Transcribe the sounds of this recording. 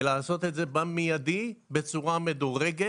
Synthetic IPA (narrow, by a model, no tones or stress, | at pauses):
laːso̞t̪etze̞bamijad̪ibet͡suʁamed̪oʁeɡe